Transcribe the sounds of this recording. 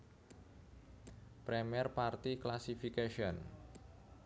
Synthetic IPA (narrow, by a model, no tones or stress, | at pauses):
pɾɛmiɛrpart̪iklasifikaʃiɔn